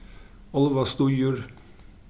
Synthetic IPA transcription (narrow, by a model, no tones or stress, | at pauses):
ɔlʋɑst̪uːjuːɾ